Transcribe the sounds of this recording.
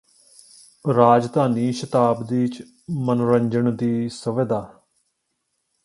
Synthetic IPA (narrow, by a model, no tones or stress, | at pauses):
ɾaːd͡ʒd̪aːniːʃət̪aːbd̪iːt͡ʃ | mənɾəɲd͡ʒəɳd̪iːsəʋɪd̪aː